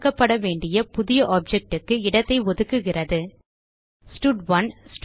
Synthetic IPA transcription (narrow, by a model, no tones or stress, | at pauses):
kːɐpːɐɽɐʋeːɳɖɪjɐpʊðɪjɐʔaːp̚d͡ʒɛk̚ʈɯkːɯɪɽɐt̪ːɐɪʋɔðɯkːɯɣɪrɐðɯ | sʈʊɖʋɐnsʈ